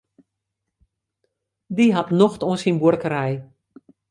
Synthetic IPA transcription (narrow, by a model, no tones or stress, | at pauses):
diɦatnoxtonsinburkəɾɛj